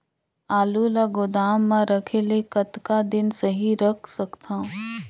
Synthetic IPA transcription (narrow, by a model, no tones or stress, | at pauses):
aːlulaɡʊd̪aːmːãɾəkʰelekɐt̪kad̪ɪnsəɦiɾɐkʰsɐkt̪ʰã